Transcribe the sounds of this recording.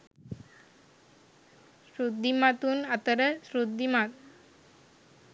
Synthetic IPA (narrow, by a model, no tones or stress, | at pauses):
ɕɾud̪ʱːimat̪uːnat̪əɾəɕɾud̪ʱːimat̪̚